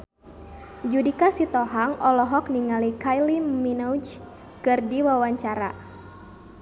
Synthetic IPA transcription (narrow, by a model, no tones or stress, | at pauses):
d͡ʒudikasit̪ɔɦaŋʔɔlɔɦɔkniŋalikajliminɔut͡ʃ | kɨrdiwawaɲt͡ʃaɾa